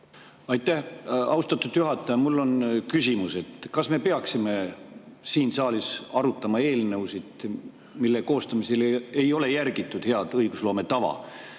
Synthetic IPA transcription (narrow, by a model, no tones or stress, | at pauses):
ɑjt̪ːˑæhɑwst̪ɑt̪ːˑud̪̥juɦɑt̪ːˑɑjɑmulːo̞nkysʲimuse̞t̪kɑsme̞pe̞ɑksime̞ | siːnsɑːlisɑɾut̪ːˑɑmɑe̞ːlne̞wsid̪̥ | milːeko̞ːst̪ɑmisele̞jo̞le̞jærɡ̥it̪ˑːud̪̥he̞ɑd̪̥ɤjɡ̥uslo̞ːme̞t̪ɑvɑ̰